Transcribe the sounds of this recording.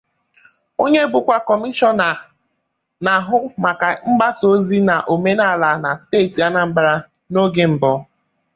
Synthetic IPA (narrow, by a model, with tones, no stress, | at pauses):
o˦ɲe˦bʊ˨kʷa˦kɔ˨mi˦ʃɔ˦na˨ | na˨ɦʊ˦ma˨ka˨ŋ͡m̩˦ɡ͡ba˦so˦zi˦na˨ʔo˨me˦na˦˨la˨na˨steː˦˨ti˨a˦na˨ŋ͡m̩˦ɡ͡ba˦ɾa˦ | no˦ɡe˦m̩˨bɔ˨˦